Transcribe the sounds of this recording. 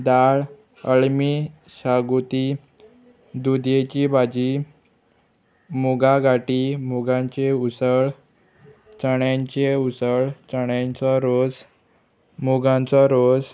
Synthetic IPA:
d̪aɭ | əɭmi | ɕaɡut̪iː | d̪ud̪jet͡ɕibʱad͡ʑi | muɡaɡaʈiːmuɡãɲt͡ɕeusəɭ | t͡ɕəɳjaɲt͡ɕeusəɭt͡ɕəɳjãnt͡sɔɾod͡z | muɡãnt͡sɔɾod͡z

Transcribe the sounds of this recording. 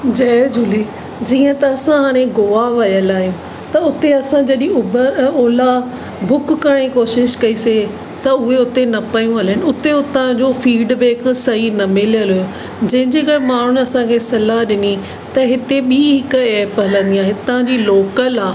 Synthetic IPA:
d͡ʑɐːd͡ʑʊleː | d͡ʑiːə̃t̪ɐːsãɦaːɽ̃ẽɡoːaʋɐjəlaːɦijũ | t̪ɐʊt̪eɐsãd͡ʑɐɗĩʊbəɾoːla | bʱʊkːɐɽ̃ikoːʃɪʃkɐise | t̪ɐʊɦeʊt̪enɐpɐjũɦɐlənɪ̆ʊt̪eʊt̪ãd͡ʑoːfiːɖbeːɪksɐɦinɐmɪlijəlɦʊɦjo | d͡ʑɐ̃ɦɪ̃ɲd͡ʑeːkɐɽmaːɳ̤ʊnɐsãkʰesɐlaɦɗɪni | t̪ɐɦɪt̪eɓiːɦɪkɛːpɦɐlə̃nd̪iaːɦɪt̪ãd͡ʑiːloːkəlaː

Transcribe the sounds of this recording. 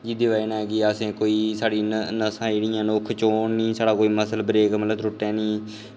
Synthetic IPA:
d͡ʒiːd̪ɪʋaːiːnãːɛɡɪəsẽːkoːiːsaːɽiːnəsãːiɽɪjãːnoːkʰt͡ʃoːnnĩːsaːɽaːkoːiːməsəlbəɾeːɡmələb̪ɾʊʈːɛ̃ːnĩː

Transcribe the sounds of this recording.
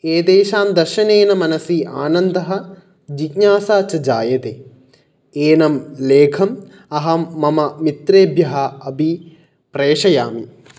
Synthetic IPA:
eːd̪eːʃaːmd̪ɐɾʃɐneːnɐmɐnɐsiːʔaːnɐnd̪ɐɦɐ̆ | d͡ʒikɲaːsaːt͡ʃɐd͡ʒaːjɐt̪eː | eːnɐmleːkʰɐm | ɐɦɐmɐmɐmit̪ɾeːbʱjɐɦɐɐbi | pɾeːʂɐjaːmi

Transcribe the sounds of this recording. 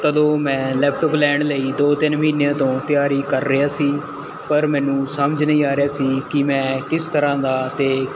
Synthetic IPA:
t̪əd̪õːmɛ̃ːlɛːpʰʈəplɛ̃ːɳɖləiːd̪oːt̪ɪnməɦiːnejãːt̪õːt̪ɪjaːɾiːkəɾːəjaːsiː | pəɾmɛ̃ːnũːsəməd͡ʒnəĩːaːɾɪjaːsiːkɪmɛ̃ːkɪst̪əɾãːd̪aːt̪eː

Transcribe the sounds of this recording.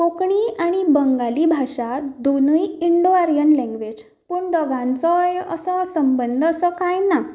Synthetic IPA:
kokɳiːaɽ̃ibəŋɡaliːbʱaʂad̪onujiɳɖoaɾijənlɛ̃ŋɡʋed͡ʑ | puːɳd̪əɡãnt͡səjəsəsəmbənd̪ʱəsəkajna

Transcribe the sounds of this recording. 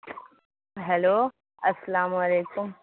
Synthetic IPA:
ɦɛlo | ɐslaːmɐleːkum

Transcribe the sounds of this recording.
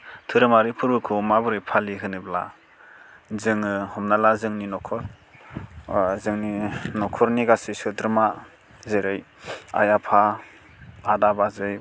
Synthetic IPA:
tʰɯɾɯmaɾipʰɯɾbɯkʰɔmabɯɾɯjpʰaliɦʰɯnɯbla̰ | zɯŋɯhɔmnalazɯŋninɔkʰɔɾ | zɯŋninɔkʰɔɾniɡasisɯdɾma | zeɾɯj | a̰japʰaː | dabazɯj

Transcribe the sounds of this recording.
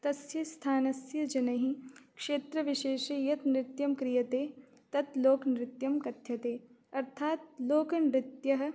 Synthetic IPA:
t̪ɐsjɐst̪ʰaːnɐsjɐd͡ʒɐnɐɦikʂeːt̪ɾɐʋiʃeːʃɐjɐt̪nɾɪt̪jɐmkɾijɐt̪eː | t̪ɐt̪loːknɾɪt̪jɐmkɐt̪jɐt̪eː | ɐɾt̪ʰaːt̪̚loːkɐnɾɪt̪jɐɦɐ̆

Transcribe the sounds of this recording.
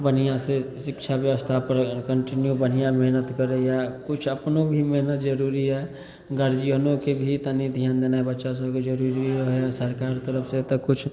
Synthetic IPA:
bənijasesɪkt͡ʃʰabjəʋəst̪ʰapəɾkəɳʈinjubən̤ijameɦnət̪kəɾɛjakut͡ʃʰəpnobʱimeɦnət̪d͡ʒəɾuɾiɦɛ | ɡəɾd͡ʒiɦənokebʱit̪ənid̪ʱjand̪enaebətːʃas̬əbʱked͡ʒəɾuɾiiɾəɦesəɾkaɾt̪əɾəpʰsẽt̪əkut͡ʃʰ

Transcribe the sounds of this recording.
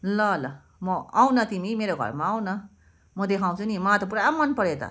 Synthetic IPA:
lʌlʌ | mʌaw̃nʌt̪imimeɾoɡʱʌ̰ɾmaaw̃nʌ | mʌd̪ekʰaw̃t͡sʰunimat̪ʌp̬uɾaamːʌnpʌɾet̪ʌ̰

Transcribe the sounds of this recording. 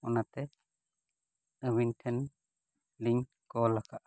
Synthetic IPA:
ɔnat̪ɛ | əwinʈʰɛn | liɲ | kɔlakaʔa

